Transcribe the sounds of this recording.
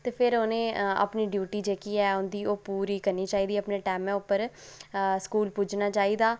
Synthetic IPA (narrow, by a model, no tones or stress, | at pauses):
t̪eːpʰɪɾoːnẽːa̰pniːɖjuːʈiːd͡ʒeːkiːɛːɦʊ̃nd̪iːoːpuːɾiːkəɾniːt͡ʃaːiːd̪iːəpneːʈɛːmɛ̃ːʊpːəɾ | skuːlpud͡ʒnaːt͡ʃaːiːd̪aː